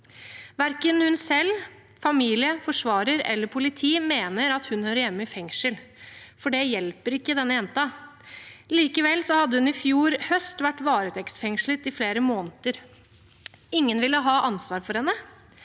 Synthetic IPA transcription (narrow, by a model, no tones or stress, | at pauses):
ʋæɾkənhʉnsɛl | fɑmiːlɪəfɔʂʋɑːɾəɾɛ̰lːəɾpʰʊlɪt̪ʰiːmeːnəɾɑt̪hʉnhøːɾjɛmːəɪfɛŋʂəlfɔɖɛjɛlpəɾɪkːəd̪ɛnːəjɛnt̪ɑ | liːkəʋɛlsɔhɑd̪ːəhʉnɪfjuːɾhœst̪ʋæʈːʋɑːɾət̪ʰɛksfɛŋʂlət̪ɪfleːɾəmoːnt̪əɾ | ɪŋːənʋɪlːəɦɑːʔɑnsʋɑːɾfɔɾhɛnːə